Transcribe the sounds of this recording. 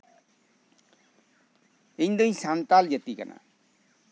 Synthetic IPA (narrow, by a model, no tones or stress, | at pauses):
eɲd̪əĩsant̪ald͡ʒət̪ikə̰na̰